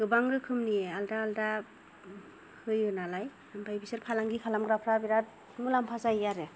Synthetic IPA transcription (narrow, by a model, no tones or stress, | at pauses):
ɡ̥ɯbaŋɾɯkʰɯmniealdaːlda | hɯjɯnalaj | ɯmbʰajbisɯɾpʰalaŋɡikʰalamɡɾapʰɾabiɾat̚ | mulampʰazajaɾɯ